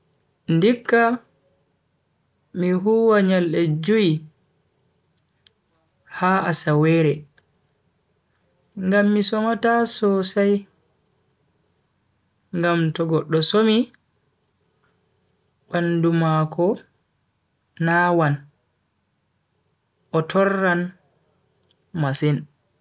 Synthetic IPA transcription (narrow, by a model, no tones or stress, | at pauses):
ndibkːa | miɦuːwaɲalɗɛd͡ʒuji | haːasawɛːɾɛ | ŋɡamːisɔmatasɔsaj | ŋɡamtɔɡɔɗːɔsomi | ɓandumakɔ | naːwan | ʔɔtʰɔrːan | masɛn